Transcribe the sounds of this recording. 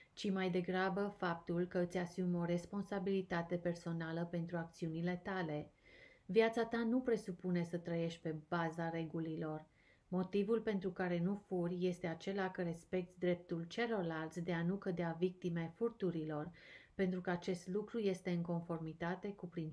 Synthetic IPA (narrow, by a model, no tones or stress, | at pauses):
t͡ʃimajd̪e̞ɡɾabəfap̚t̪ulkəɨt̪sʲasumo̞ɾe̞spo̞nsabilit̪at̪e̞pe̞rso̞naləpe̞nt̪ɾuak̚t̪siunile̞t̪ale̞vjat̪sat̪anupɾe̞supune̞sət̪ɾəje̞ʃt̪̚ʲpe̞bazaɾe̞ɡulilo̞r | mo̞t̪ivulpe̞nt̪ɾukaɾe̞nufurʲje̞st̪e̞at͡ʃe̞lakəɾe̞spe̞k̚t̪sʲd̪ɾe̞p̚t̪ult͡ʃe̞lo̞rlalt̪sʲd̪e̞anukəd̪eavik̚t̪ime̞furt̪uɾilo̞rpe̞nt̪ɾukəat͡ʃe̞st̪lukɾuje̞st̪e̞ɨŋko̞nfo̞rmit̪at̪e̞kupɾin